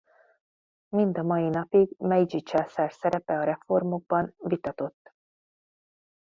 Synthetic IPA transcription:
mind̪ɒmɒjinɒpiɡmɛjd͡ʒit͡ʃɛsɛrsɛɾɛpɛɒɾɛfo̞rmo̞ɡ̚bɒnvit̪ɒt̪o̞t̪ː

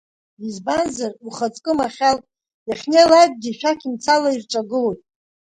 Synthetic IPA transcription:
izbanzaruχat͡sʼkʼɨmaχʲaltʼ | jaχʲnelad̚ʼɡʲiʃᶣakʰʲimt͡sʰalairʈ͡ʂʼaɡɨlojtʼ

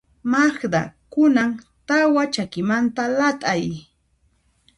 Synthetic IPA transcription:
maχd̪a̰kʊnam | t̪awat͡ʃakɪmant̪alat̪ʼaj

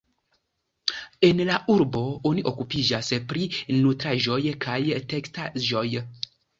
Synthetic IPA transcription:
e̞nlaʔuɾbo̞oniʔo̞kupid͡ʒaspɾinutɾaʒo̞jkʰajtekstaʒo̞j

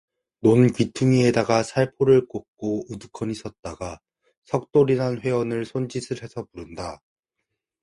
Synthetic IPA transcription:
nonkɥitʰuŋie̞daɡasʰaɭpʰoɾɯɭk͈ok̚k͈oudukʰʌnisʰʌt̚t͈aɡa | sʰʌk̚t͈oɾinɦanɸwe̞wʌnɯɭsʰond͡ʑisʰɯɾɦe̞sʰʌpuɾɯnda

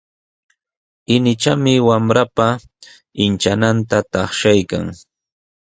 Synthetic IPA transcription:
ɪnɪt͡ʃamɪwamɾapa | ɪnt͡ʃanant̪at̪ɑχʃajka̰ŋ

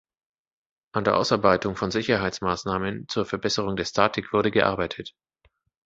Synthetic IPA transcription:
ʔandeːɐʔa̰ʊsaɐbaɪtʊŋfɔnzɪçɐɦaɪt͡smaːsnaːmənt͡suːɐfɛɐbɛsəʁ̞ʊŋdeːɐstʰaːtʰɪkv̥ʊɐɾəɡəʔa̰ɐbaɪtʰət

